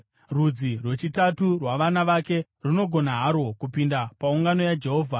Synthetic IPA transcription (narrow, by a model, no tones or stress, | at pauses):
rud͡zirwe̞t͡ʃitaturwaʋanaʋake̞ | runo̞ɡʱo̞naɦaɾo̞kupindapauŋɡano̞jad͡ʒe̞ɦo̞ːvʱa